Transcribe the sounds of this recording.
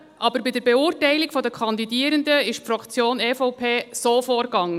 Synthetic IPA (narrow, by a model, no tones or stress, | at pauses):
ʔɑbəɾbɪdəɾbɛuːrtɛɪlɪɡfɔdəkʰɑnd̪idiːəɾəndəɪʃpfɾɑkt͡sjoːneːfɔʊpʰeːsoːfɔːɾɡɑŋːə